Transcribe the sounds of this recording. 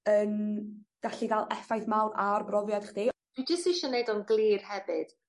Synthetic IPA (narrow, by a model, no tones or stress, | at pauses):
ənɡ̥aɬiɡalˠɛfajθmawnarbrɔvjad̥χd̥eːd̥wɪd͡ʒɪsɪʃɔnejdɔnɡlˠiːrhɛvɨd̥